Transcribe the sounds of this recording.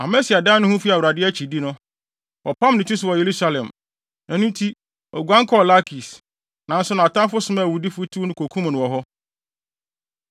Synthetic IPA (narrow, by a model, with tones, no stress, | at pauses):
a˨mɛ˦si˨a˨dã˦nʊ̃˦hũ˦fi˦a˨wu˨ɾa˨dɪ˦æ˦t͡ɕʰi˨di˦nʊ̃˦ | wʔɔ˨pã˦mnɪ̃˨tʊ˦sʊ˦˨wɔ˨je˨ɾu˦sa˦lɛ̃˨m | nã˨nʊ̃˦n˦tʰi˦ | ɔ̰˨ɡʷã˦ŋ˦kʰɔ˦˨la˦kʰi˨s | nã˨n˦sʊ˦nã˨a˨tã˦fʊ˦sʊ˨˦mã˦˨wu˨di˦fʊ˦tʰu˦nʊ̃˦kʰo˨kʰũ˦m˨nʊ̃˨wɔ˨ɦɔ˦